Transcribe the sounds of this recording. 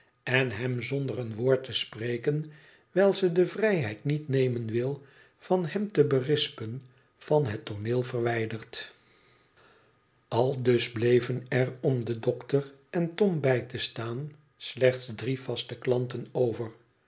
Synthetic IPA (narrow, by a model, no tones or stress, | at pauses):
ɛnɦɛmzɔndərənʋʊːɹtəsprejkən | ʋɛlˠzədəvrɛjɦɛjtnitnejmənʋɪlˠ | v̥ɑnɦɛmtəbərɪspən | v̥ɑnɦətoneːlˠvərʋɛjdərt | ɑlˠdɵzblejvənɛrɔmdədɔktərɛntɔmbɛjtəstaːn | slɛχtsdriv̥ɑstəklɑntənowvər